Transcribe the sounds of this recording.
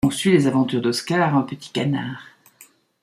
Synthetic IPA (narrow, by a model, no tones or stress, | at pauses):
ɔ̃sylezavɑ̃t̪yʁd̪ɔskaʁɛ̃pət̪i̥kanaːʁ